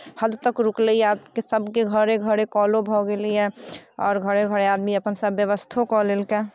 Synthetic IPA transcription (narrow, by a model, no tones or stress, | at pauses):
həd̪t̪əkɾukleiaːpkesəbkeɡʱəɾeɡʱəɾekɔːlobʱɔɡeliɦɛ̃ɔːɾɡʱəɾeɡʱəɾeaːd̪miəpənsəbjəʋəst̪ʰokɔleːlke